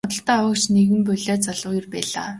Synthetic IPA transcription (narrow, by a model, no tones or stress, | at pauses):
ʊt̪ə̆ɬt̪aːʊːkt͡ɕneɣɘ̆mpɵɮʲaːt͡saɮʊ̆ːjɵ̆rpæːɮa̰ː